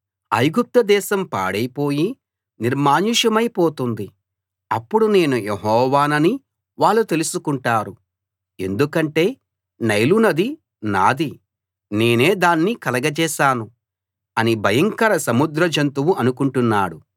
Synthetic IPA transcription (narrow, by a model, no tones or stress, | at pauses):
ɐ̰jɡup̚t̪ɐd̪ɛːʃɐmpa̰ːɽɐjpo̞ːji | niɾmaːniʃɐmɐjpoːt̪und̪i | ɐpːuɽune̞ːnujeɦɔːʋaːnɐni | ʋaːɭːut̪e̞lusukuɳʈaːɾu | e̞̰nd̪ukɐɳʈe̞ː | nɐjlunɐd̪i | na̰ːd̪i | ne̞ːne̞ːd̪aːnːikɐlɐɡɐt͡ʃɛːʃaːnu | ɐnibʱɐjɐŋkɐɾɐsɐmud̪ɾɐd͡ʒɐnt̪uwuʔɐnukuɳʈunːaːɽu